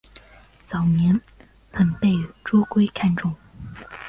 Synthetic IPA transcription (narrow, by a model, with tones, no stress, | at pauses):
t͡sɑ˨˩ʊnjɛ˧˥n | xə˨˩npe˥˩ɪʈ͡ʂɔ˥kwe˥ɪkʰa˥˧nʈ͡ʂʊ˥˩ŋ